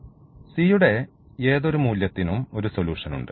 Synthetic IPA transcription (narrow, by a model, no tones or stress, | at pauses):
siːjuɽe̞ | eːðo̞ɾumuːljɐt̪ːinumo̞ɾuso̞luːʂɐnṵɳɖɨ